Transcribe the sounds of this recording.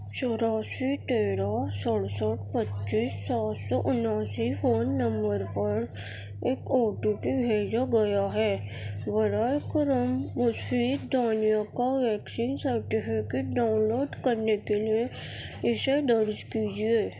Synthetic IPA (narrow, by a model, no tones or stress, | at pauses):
t͡ʃɔɾaːswiʈeːɾasəɽsaʈpətːʃiːsːaːt̪sɔʔʊnaːsifoːnːə̃mbəɾpəɾ | eːkoːʈuʈibʱeːd͡ʒaɡɐjaɦɛː | ʋəɾaeːkɾəmːʊsfiːt̪d̪aːnijakaʋɛːksiːnsəɾʈɪfʰɪkeʈɖaːʊnloːɖkəɾnekelieɪsed̪əɾd͡ʒkiːd͡ʒieː